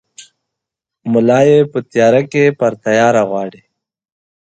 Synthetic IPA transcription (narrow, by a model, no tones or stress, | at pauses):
mʊlaːjepət̪jaːɾakepɐɾt̪ɐjaːɾaɣwaːɽi